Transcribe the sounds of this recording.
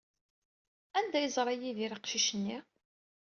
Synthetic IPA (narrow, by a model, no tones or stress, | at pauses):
ænd̪æjəzˤɾˤɑjiðiɾiqʃiʃənːi